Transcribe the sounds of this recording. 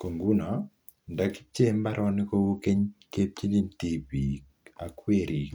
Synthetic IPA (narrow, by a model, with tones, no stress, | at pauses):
ko˨ŋɡu˦na˨ | nda˦ki̥˦t͡ʃe˦mba˦ɾʔɔ˦nɪ˦ko˦wu˦ke˦ɲke˦p̚t͡ʃi˦li˦ntipi˨k | a˨kwe˦ɾi˨k